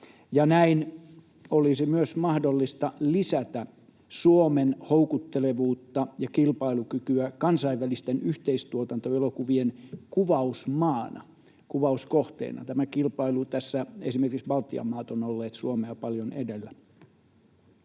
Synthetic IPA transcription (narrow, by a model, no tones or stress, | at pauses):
jɑnæin | olisimyøsmɑhdolːist̪ɑlisæt̪æ | suomenhoukut̪ːeleʋuːt̪ːɑjɑkilpɑilukykyækɑnsɑiʋʋælist̪enyht̪eist̪uot̪ɑnt̪oelokuʋienkuʋɑusmɑːnɑ̰ | kuʋɑuskoht̪ḛinɑ̰t̪æmækilpɑilut̪æsːæḛsimerkiksʋɑlt̪iɑ̰mːɑːt̪onolːeːt̪suomeɑpɑljonedelːæ